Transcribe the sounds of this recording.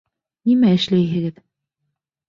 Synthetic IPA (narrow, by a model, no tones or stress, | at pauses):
nimæɘ̆ʃlæjɦɘ̆ɡɘð